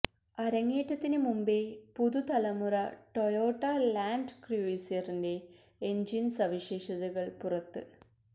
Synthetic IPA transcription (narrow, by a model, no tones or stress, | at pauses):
ɐɾɐŋːeːʈːɐt̪ːinɨmumbepuðut̪ɐlɐmurɐʈo̞jo̞ːʈːɐlaːndkriʋeːsjɐrinde̞ː | ɲd͡ʑinsɐʋiʂe̞ːʂɐðuɣɐɭpurɐt̪ːɨ